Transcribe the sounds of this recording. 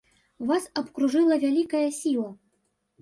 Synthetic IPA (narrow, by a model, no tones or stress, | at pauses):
vasɐpkɾuʐɨlˠɐvʲalʲikɐjɐsʲilˠɐ